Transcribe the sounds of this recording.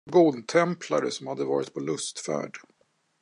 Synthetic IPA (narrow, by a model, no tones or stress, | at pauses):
ɡʊd̪t̪ʰɛmpʰlaɾəsɔmhad̪ːəvɑ̰ːɾɪt̪̚pʰɔlɵst̪fæ̰ːɖ